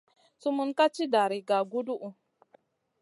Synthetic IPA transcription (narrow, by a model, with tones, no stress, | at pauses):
su˦mu˦nka˦t͡ʃi˦da˨ɾi˨ɡa˨ɡu˦du˦ʔu˨